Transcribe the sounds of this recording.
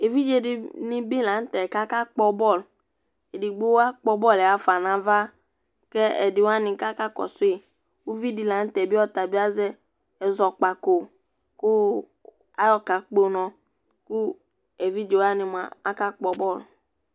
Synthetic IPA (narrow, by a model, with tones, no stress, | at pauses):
e˨vi˦d͡ʒe˨dɪ˨nɪ̃˨bi˦la˨˦n̩˦tɛ˨ka˦ka˦k͡pɔ˧bɔ˦˨l | e˨di˨ɡ͡bo˦a˦k͡pɔ˧bɔ˦˨lɛ˨a˨fa˨nã˨va˦ | kɛ˦ɛ̰˨dɪ˨wa˦nĩ˨ka˦ka˦kɔ̰˨sʊ˦e˨ | wu˦vi˦di˨la˨˦n̩˦tɛ˨bi˦ɔ˦ta˨bi˦a˦zɛ˦ | ɛ˨zɔ˨k͡pa˨ko˨ | kʊ˦ | a˦jɔ˦ka˨k͡po˦nɔ̃˨ | ku˦ | ɛ˨vi˦d͡ʒe˨wa˦nĩ˨m˨a̰˨a˦ka˦k͡pɔ˨bɔ˦˨l